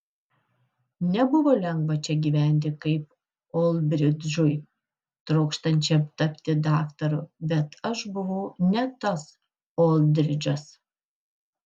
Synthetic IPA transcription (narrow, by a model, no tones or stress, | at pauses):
nʲɛbʊʋoːlʲɛŋɡʋɐt͡ʃʲɛɡʲiːʋʲæˑnʲt̪ʲɪkɐɪp | oːlˠʲbʲɾʲɪd̪d͡ʒʊj | t̪ɾɐʊkʃt̪ɐnʲt͡ʃʲɛt̪ɐpʲt̪ʲɪd̪ɑːkt̪ɐɾʊbʲɛt̪ɐʃbʊʋɐʊnʲɛt̪ɐs | oːlˠʲd̪ʲɾʲɪd͡ʒʲɐs